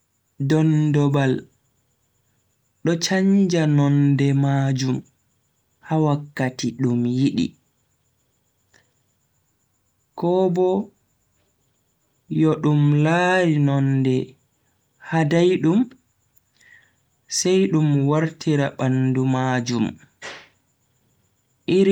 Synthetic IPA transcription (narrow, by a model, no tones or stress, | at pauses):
dɔndɔbal | ɗɔt͡ʃaɲd͡ʒanɔndɛmaːd͡ʒum | hawakːatiɗumjiɗḭ | kɔbɔ | jɔɗumlaːɾinɔndɛ | hadajɗum | sɛjɗumwaɾtʰiɾaɓandumaːd͡ʒum | ʔiɾ